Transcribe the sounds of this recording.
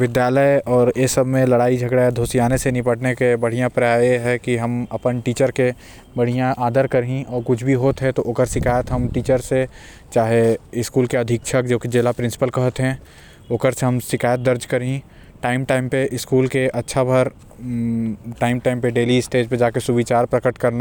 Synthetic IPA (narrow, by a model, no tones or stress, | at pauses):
ʋɪd̪jaːləjɔːɾesɐbʱmẽlɐɽaːid͡ʒʱɐɡɽaed̪ʱoːsijaːnesenɪpəʈnekebɐɽ̤ijãpɾaːeɦɛkiɦɐmɐpənʈiːt͡ʃəɾke | bɐɽ̤ijãʔaːd̪əɾkɐɾɦĩʔɔːɾkʊt͡ʃʰbʱiɦoːt̪ɦɛt̪oʔoːkəɾsɪkaːjət̪ɦɐmʈiːt͡ʃəɾse | t͡ʃaːɦeɪskuːlkeɐd̪ʱɪkʃʰək̚d͡ʒoːkid͡ʒeːlapɾɪ̃nsɪ̥pəlkɐɦət̪ɦɛ̃ | oːkəɾseɦɐmsɪkaːjət̪̚d̪ɐɾd͡ʒkɐɾɦĩ | ʈaːɪmʈaːɪmpeʔɪskuːlkeʔɐtːʃʰabʱɐɾ | ʈaːɪmʈaːɪmpeɖeːliɪsʈeːd͡ʒped͡ʒaːkesubit͡ʃaːɾpɾɐkəʈkɐɾna